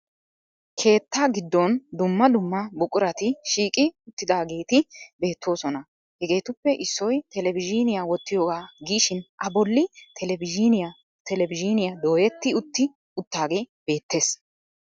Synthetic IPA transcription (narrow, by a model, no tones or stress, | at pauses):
kʰe̞ːt̪ːaːɡɪd̪ːɔnd̪ʊmːɐd̪ʊmːɐbʊkʼʊɾɐt̪ɪʃiːkʼɪʊt̪ːɪd̪aːɡe̞ːt̪ɪbe̞ːt̪ːo̞ːsɔnɐ | hɛɡe̞ːt̪ʊpːɛʔɪsːɔjt̪ɛlɛbɪd͡ʒɪnɪjawɔt̪ːɪjoːɡaːɡiːʃɪnʔɐbɔlːɪt̪ɛlɛbɪd͡ʒnjɐ | t̪ɛlɛbɪd͡ʒɪnɪjɐd̪o̞ːjɛt̪ːɪʊt̪ːɪ | ʊt̪ːaːɡe̞ːb̥e̞ːt̪ːe̞ːs